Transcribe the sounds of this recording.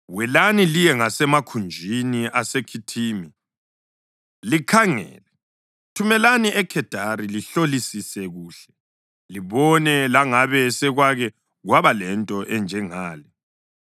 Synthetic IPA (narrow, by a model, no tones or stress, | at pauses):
wɛlanilijɛŋasɛmakʰund͡ʒʱiniʔasekʰitʰiːmi | likʰaŋɛ̰ːlɛ | tʰumɛlaniʔɛkʰɛd̥ʱaɾiliɬolisisɛɣuːɬɛ̥ | liβɔnɛlaŋaβɛsɛɣwaɣɛ | ɣwaβalɛntʼɔʔɛnd͡ʒʱɛŋaːlɛ